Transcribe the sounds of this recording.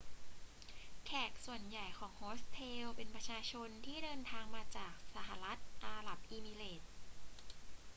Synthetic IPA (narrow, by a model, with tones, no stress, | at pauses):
kʰɛː˨˩k̚su˨˩ənja˨˩jkʰɔː˩˦ŋhoː˦˥st̪ʰeː˧wpe˧npɾa˧t͡ɕʰaː˧t͡ɕʰo˧nt̪ʰiː˥˩dɤː˧nt̪ʰaː˧ŋmaː˧t͡ɕaː˨˩k̚sa˧˩ɦa˨˩ɾa˦˥t̪̚ʔaː˧ɾa˨˩p̚ʔiː˧miː˧leː˨˩t̪̚